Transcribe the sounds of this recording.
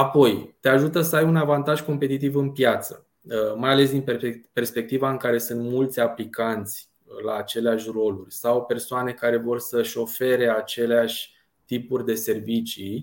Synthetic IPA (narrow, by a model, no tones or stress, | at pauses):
apo̞jt̪eaʒut̪əsəajunavant̪aʒko̞mpe̞t̪it̪ivɨnpjat̪sə̰ | majale̞s̬d̪inpe̞rspe̞k̚t̪ivaɨŋkaɾe̞sɨnt̪mult̪sʲaplikant̪sʲ | laːt͡ʃe̞leaʃʲro̞lurʲsawpe̞rsoane̞kaɾe̞vo̞rsəʃʲo̞fe̞ɾe̞at͡ʃe̞leaʃʲ | t̪ipurʲd̪e̞se̞rvit͡ʃi